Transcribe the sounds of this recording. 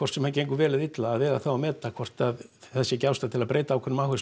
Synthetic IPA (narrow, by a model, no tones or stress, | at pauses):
kʰɔrt̪sɛmhancejŋkʏvɛːlɪðit̪laːðvɛːðaθawamɛːt̪akʰvɔr̥t̪aðθɛsːɛcawst̪at̪ʰɪlaðpɾeːjt̪aːwkʰɛnʏmawhʏs